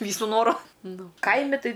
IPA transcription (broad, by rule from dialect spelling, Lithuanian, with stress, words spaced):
ˈʋʲiːsʊ ˈnoːrʊ ˈnʊ ˈkɐɪmʲɪ ˈtɐɪ